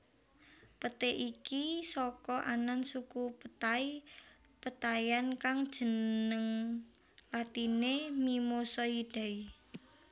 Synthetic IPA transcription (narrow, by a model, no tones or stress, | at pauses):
pət̪eʔikisɔkɔʔanansukupət̪ai | pət̪ajankaŋd̥ʒ̥ə̤nəŋ | lat̪inemimosɔid̥a̤i